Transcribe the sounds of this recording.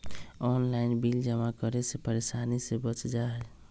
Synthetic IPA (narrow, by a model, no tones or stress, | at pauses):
ɔnlaɪnbild͡ʒəmakəɾesepəɾesanisebət͡ʃd͡ʒaɦɛ